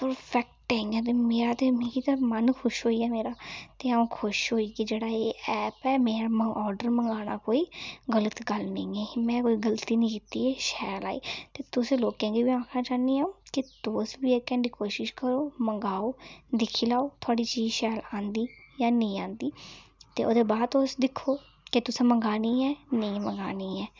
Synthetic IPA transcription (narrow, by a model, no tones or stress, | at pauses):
pəɾpʰɛk̚ʈɛ̃ːŋɡãːt̪eːmeːɾaːt̪eːmɛ̃ːkit̪amənkʰʊʃɦoːiːɛːmeːɾaːt̪eːaũːkʰʊʃɦoːiːkɪd͡ʒeːɽaːeːɛːpɛːmẽːəɔːɾɖəɾməŋɡaːɽ̃aːkoːiːɡələt̪ɡəlnẽeːmɛ̃ːkoːiːɡəlt̪iːnĩːkit̪iːeːʃɛːlaːḭːt̪eːt̪ʊsẽːloːkɛ̃ːɡiːʋiːãːkʰnãːt͡ʃaːniːaːoːkɪt̪oːsbiːeːkɛ̃ːɳɖiːkoːʃɪʃkəɾoːməŋɡaːoːd̪ɪkʰiːlaːoːt̪ʰʊaːɖiːt͡ʃiːd͡ʒʃɛːlãːnd̪iːjaːnĩːãːnd̪iːt̪ḛːo̰ːd̪eːbaːd̪oːsd̪ɪkʰːoː | kɪt̪ʊsãːməŋɡaːniːɛːnəĩːməŋɡaːniːɛː